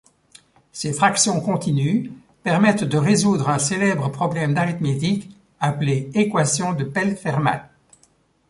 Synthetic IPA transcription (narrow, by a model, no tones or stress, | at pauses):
sefχaksjɔ̃kɔ̃t̪iny | pɛʁmɛt̪d̪əʁezud̪ʁɛ̃selɛbʁəpχɔblɛmd̪aʁit̪met̪ik | apleekwasjɔ̃d̪əpɛlfɛʁma̰l